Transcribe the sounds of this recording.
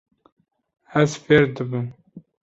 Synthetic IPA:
æzfeːɾd̪ɨbɨm

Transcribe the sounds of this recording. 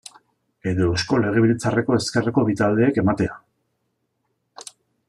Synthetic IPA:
e̞ðo̞esko̞le̞ɣ̞e̞βilet͡sare̞ko̞e̞ske̞re̞ko̞βit̪ald̪e̞ːke̞mat̪e̞a

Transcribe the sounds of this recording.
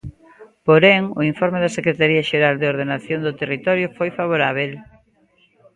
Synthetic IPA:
poɾeŋʊ̰iɱfɔɾmeðɐsekɾet̪aɾiaʃeɾald̪eoɾð̞enaθjond̪ot̪erit̪ɔɾjʊfojfaβ̞oɾaβ̞el

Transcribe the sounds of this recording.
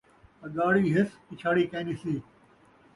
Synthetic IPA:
ɐɡaːɽiːɦɪskɪt͡ʃʰaːɽiːkẽːniːsiː

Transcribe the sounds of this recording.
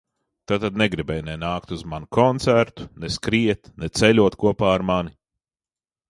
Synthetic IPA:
t̪at̪ad̪̚nɛɡɾibɛjnɛnaːkt̪uzmanukʰɔnt̪sæɾt̪u̥nɛskɾiɛt̪nɛt̪sɛlʲuɔt̪kuɔpaːɾmani

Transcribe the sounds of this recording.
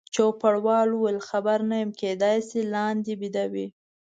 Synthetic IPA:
t͡ʃopaɽwɑluwelxabaɾnajəmked̪ɑjsilɑnd̪ibid̪awḭ

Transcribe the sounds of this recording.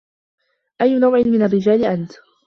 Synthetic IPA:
ʔajːʊnawʕɪnmɪnarːɪd͡ʒaːlɪʔant̪

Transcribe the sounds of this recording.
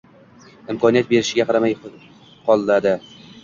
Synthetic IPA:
ɪmkʰɒnijat̪̚be̞ɾɪʃɪɡʲaqʰɑɾamaj | qɒlˠːad̪ɪ

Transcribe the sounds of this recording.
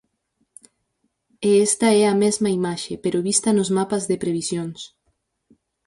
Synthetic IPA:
eɛst̪ɐɛɐmɛzmɐimaʃepeɾoβist̪ɐnʊzmapazðepɾeβisjons

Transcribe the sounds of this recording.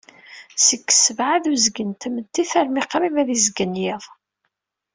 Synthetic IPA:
səkːsəvʕaðuzɡənt̪əmət̪ːiθæɾmiqɾivæðizɡənjɪðˤ

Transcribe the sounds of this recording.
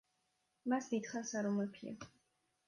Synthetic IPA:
masd̪it̪χansaɾɔmɛpʰḭa̰

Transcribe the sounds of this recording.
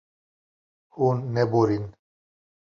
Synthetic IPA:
hunːeboɾin

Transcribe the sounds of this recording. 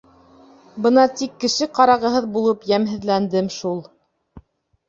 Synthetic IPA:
bɤnɑt̪ikːɘ̆ʃɘqɑɾɑʁɤ̆ɦɤðbulˠɤpjæmɦɘ̆ðlænd̪ɘmʃulˠ

